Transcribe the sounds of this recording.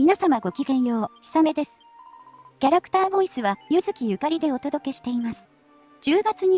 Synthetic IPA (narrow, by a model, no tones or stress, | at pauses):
mʲinasamaɡo̞kʲikẽ̞ɰ̃jo̞ːçi̥same̞d̪e̞sɨ̥ | kʲaɾakɯ̟̥t̪aːbo̞isɨβajɯzɨkʲijɯ̟kaɾʲid̪e̞o̞t̪o̞d̪o̞ke̞ɕi̥t̪e̞imasɨ̥ | d͡ʑ̥ɨːɡat͡sɨɲ̟i